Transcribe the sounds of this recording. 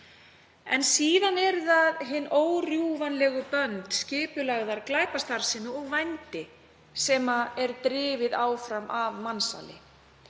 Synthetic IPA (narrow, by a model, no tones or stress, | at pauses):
ɛ̰nsiːðanɛɾðaðɦɪnːoːwrjuvanlɛɣʏpœnt̪scɪːpʏlaɣðaɾklaːjkast̪aɾsɪnːʏɔɣvajnt̪ɪ | sɛmaɛɾt̪ɾɪːvɪðaːwfɾamʔavmansa̰ːlɪ̰